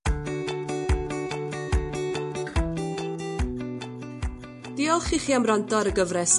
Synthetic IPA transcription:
d̥iːɔlˠχiːχiːamrandɔɾəɡəvrɛs

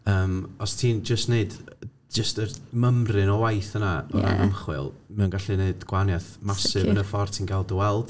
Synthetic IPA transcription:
əːmɔstʰiːnd͡ʒəstneɨd | d͡ʒəstərməmrɨnɔwajθənaɔ̰ɾa̰namχwɨ̰lˠmɛunɡaɬineɨdɡ̥wanjaθmasɨvənəfɔrtʰinɡalˠdəwɛlˠd̥

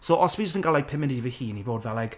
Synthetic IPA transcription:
soʔɔswid͡ʒəstənɡalajk̚pʰɪmɪ̃ndiivəhiːnibɔːdvalajk

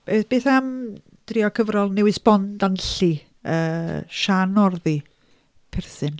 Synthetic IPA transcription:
b̥eːb̥eːθam | d̥riɔkʰəvɾɔlˠnɛwɪsb̥ɔndanɬi | əːʃanɔrði | pʰɪrθɨn

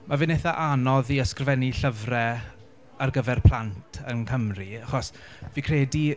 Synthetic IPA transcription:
mavɪneθaʔanɔðiəskrvɛniɬəvrɛ | arɡəvɛrpʰl̥ˠantʰənkʰəmriaχɔs | viːkʰrɛːdi

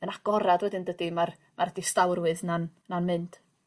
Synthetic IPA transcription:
ənaɡ̥ɔɾadwɛdɪndədimar | maɾədistawrwɨðnannanmɨnd̥

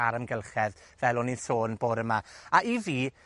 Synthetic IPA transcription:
aɾəmɡɛlˠχɛðvɛlˠɔnisoːnboːdəmaaʔiviː

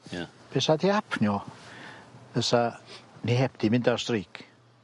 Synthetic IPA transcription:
b̥ɛsadiapʰnjɔ | əsanihɛp̚d̥imɪndarstriːkʰ

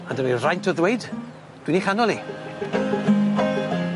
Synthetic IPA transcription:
andəmirajntʰɔðwejd | d̥winiχanɔlˠi

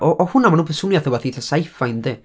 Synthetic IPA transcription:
ʔɔʔɔhʊnamanuːpʰɛsʊnjaθɔvaθiɬasajfajnde

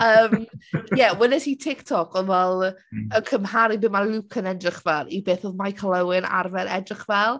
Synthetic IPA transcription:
əːmjɛwɪnɪtitʰɪktʰɔkʰɔvɛlˠəkʰəmhaɾibɨːmalukʰənɛdrɪχvɛlˠibeːθɔðmajkʰəlˠəwɪna̰rvɛɾɛ̰drɪχvɛlˠ

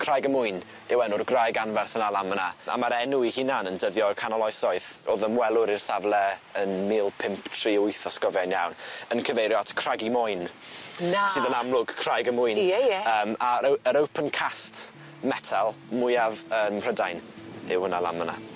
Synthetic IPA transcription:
kʰr̥ajɡəmʊɨn | ɪwɛnʊrɡrajɡanvɛrθənalˠamənaa̰maɾɛnuihinanəndəvjɔkʰanɔlˠɔsɔɨθoːðənwɛlˠʊɾirsavlˠɛənmiːlˠpʰɪmptʰr̥iːʊɨθɔskɔvjanjawnənkʰəvejɾjɔatʰkʰr̥aɡimʊjn | sɨːðənamlˠʊɡ̥kʰr̥ajɡəmʊɨnjjəːmaɾəəɾəwpʰənkʰast | mɛtʰalˠmʊjavənr̥ədajn | ɪ̰whʊnalˠa̰məna̰

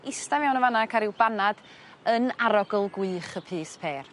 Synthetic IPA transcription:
ɪstavawnəvanakʰaɾɪwbanad | ənaɾɔɡɔlˠɡwɨːχəpʰɨːspʰeːr

